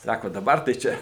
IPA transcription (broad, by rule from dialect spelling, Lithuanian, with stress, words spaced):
ˈsɑːkoː dɐˈbɐr tɐɪ ˈt͡ʃʲɛ